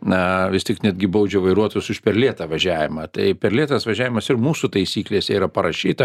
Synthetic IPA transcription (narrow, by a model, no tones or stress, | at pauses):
nɐʋʲɪstʲɪknʲɛd̪ʲɡʲɪbɐʊd͡ʒʲoʋɐɪɾuɔt̪oːjʊsʊʃpʲɛrlʲiɛt̪ɐʋɐʒʲæːʋʲɪmɐt̪ɐɪpʲɛɾlʲiɛt̪ɐsʋɐʒʲæːʋʲɪmɐsɪrmuːsut̪ɐɪsʲiːklʲeːsʲɛiːɾɐpɐɾɐʃʲiːt̪ɐ